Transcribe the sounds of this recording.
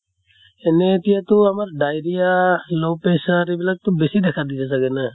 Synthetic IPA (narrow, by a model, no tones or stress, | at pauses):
enet̪ijat̪uamaɾɖajɾijalowpesaɾibilak̚t̪ubesid̪ɛkʰad̪it̪as̬aɡenə